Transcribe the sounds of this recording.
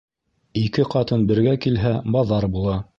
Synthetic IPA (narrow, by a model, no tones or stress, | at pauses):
ikɘqɑt̪ɤnbɘ̆ɾɡækilɦæbɑðɑɾbulˠɑ